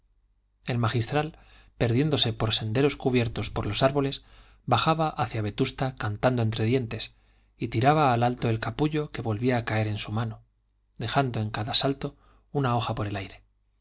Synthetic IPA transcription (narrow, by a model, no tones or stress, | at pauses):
e̞lmaxist̪ɾal | pe̞ɾðje̞nd̪o̞se̞po̞ɾse̞nd̪e̞ɾo̞skuβje̞ɾt̪o̞spo̞ɾlo̞saɾβo̞le̞s | baxaβaʔaθjaβ̞e̞t̪ust̪akant̪and̪oent̪ɾe̞ðje̞nt̪e̞s | it̪iɾaβaːlalt̪o̞e̞lkapuʎo̞ke̞βo̞lβiaːkae̞ɾe̞nsumano̞ | ðe̞xand̪o̞e̞ŋkaðasalt̪o̞ | unao̞xapo̞ɾe̞lajɾe̞